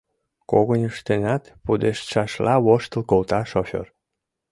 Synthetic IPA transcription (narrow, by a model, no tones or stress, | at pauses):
koɣənʲəʃt̪enɑt̪pud̪eʃʃɑʃlɑβoʃt̪əlkolt̪ɑʃofʲḛr